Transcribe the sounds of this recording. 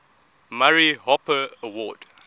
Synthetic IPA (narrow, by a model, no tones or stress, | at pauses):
maɹiɦɔpəəwɔd̥